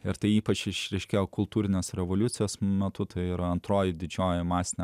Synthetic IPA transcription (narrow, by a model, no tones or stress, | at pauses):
ɪɾt̪ɐɪiːpɐt͡ʃɪʃɾʲɛɪʃʲkʲeːjoːkʊlˠt̪uːɾʲɪnʲeːsɾʲɛʋoːlʲʊt̪sʲɪjoːsmʲɛt̪ʊt̪ɐɪiːɾɐɐnt̪ɾoːjɪd̪ʲɪd͡ʒʲoːjɪmɑːsʲɪnʲɛ